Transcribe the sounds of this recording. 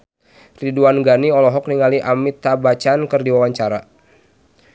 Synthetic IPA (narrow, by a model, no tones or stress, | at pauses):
riduanɡaniɔlɔɦɔk̚niŋaliʔamit̪abat͡ʃankɨrdiwawaɲt͡ʃaɾa